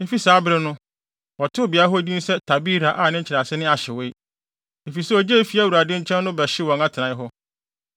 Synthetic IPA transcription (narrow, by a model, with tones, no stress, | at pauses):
e˦fi˦saː˨˦bɾɪ˦nʊ̃˦ | wɔ˨tʰɪ˦o˦˨bi˨a˨˦ɦɔ˦dĩ˦n˦sɛ˦tʰa˨bi˦ɾa˨ʔa˨nɪ̃˦ɲ̩t͡ɕʰɪ˨ɾa˨sɪ˦nɪ̃˦a˨ɕɛ˨we˦i˦ | e˨fi˨sɛ˦ɔ˨d͡ʑe˦˨˦fi˨˦a˦˨wu˨ɾa˨dɪ̃˦ɲ̩˦t͡ɕʰɛ̃˦n˦nʊ̃˦bɛ˨ɕɪ˦wɔ̃˨ŋa˦tʰɪ˨ã˨˦ɪ˦ɦɔ˦